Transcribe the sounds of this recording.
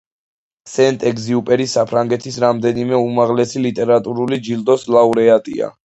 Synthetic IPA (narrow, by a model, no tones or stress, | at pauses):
sɛnt̪ʼɛɡziupʼɛɾisapʰɾaŋɡɛt̪ʰisɾamd̪ɛnimɛumaʁlɛsilit̪ʼɛɾat̪ʼuɾulid͡ʒild̪ɔslauɾɛat̪ʼḭa̰